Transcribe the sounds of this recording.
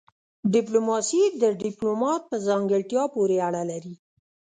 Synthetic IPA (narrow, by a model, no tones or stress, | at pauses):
ɖɪplomɑsid̪əɖɪplomɑt̪̚pəzɑŋɡəɭʈjɑpoɾeaɽalaɾi